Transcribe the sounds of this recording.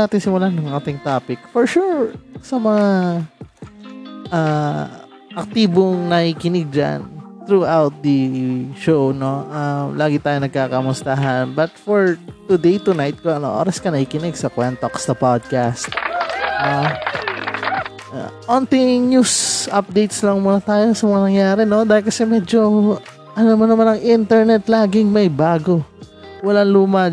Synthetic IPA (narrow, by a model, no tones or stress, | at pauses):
aːt̪ɪnsɪmʊlahnɐŋʔaːt̪ɪŋt̪aːpɪk̚fɔɹʃuɹsɐmɐŋa | ʔa | ʔɐk̚t̪iːboŋnɐhikɪnɪɡ̚d͡ʒa̰nt̪ɾuʔawt̪̚d̪ɐʃowno̞ʔamlaːɡɪt̪aːjonɐɡ̚kaːkɐmʊst̪ɐɦɐnbɐt̪̚fɔɹt̪ʊd̪ejt̪ʊnajt̪̚koʔɐno̰ʔo̰ːɾɐskɐnɐkɪkɪnɪɡsɐkwɛnt̪okɐ̥sɐpad̪̚kast̪̚no | a̰ʔont̪ɪɲjusʔɐp̚d̪ejt̪slɐŋmuːnɐt̪aːjo̞sɐmɐŋɐnɐŋjaːɾɛno̞d̪aːhɪlkɐsɛmɛːd͡ʒo̞ | ʔɐnomɐnɐmanɐŋʔɪnt̪ɛɹnɛt̪laːɡɪŋmɐjbaːɡo̞wɐlanluːmɐ